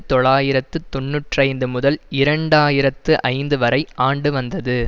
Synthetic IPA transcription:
t̪ɔɭaːjɪɾɐt̪ːɯt̪ɔnːuʈrɐɪnd̪ɯmʊðɐlɪɾɐɳɖaːjɪɾɐt̪ːɯʔɐɪnd̪ɯʋɐɾɐɪaːɳɖɯʋɐnd̪ɐðɯ

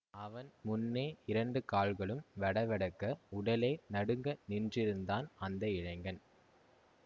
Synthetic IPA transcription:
ɐʋɐnmʊnːeːɪɾɐɳɖɯkaːlɣɐɭɯmʋɐɽɐʋɐɽɐkːɐʊɽɐleːnɐɽɯŋɡɐnɪndrɪɾɯnd̪aːnɐnd̪ɐɪɻɐɪŋɡɐn

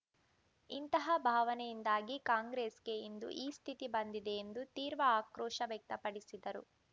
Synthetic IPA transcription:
int̪ɐɦɐbʱaːʋɐnɛjind̪aːɡikaːŋɡɾeːsɡe̞ind̪ṵʔiːst̪ʰit̪ibɐnd̪id̪eːnd̪ut̪iːɾʋɐaːkɾɔːʂɐʋjɛk̚t̪ɐpɐɽisid̪ɐɾṵ

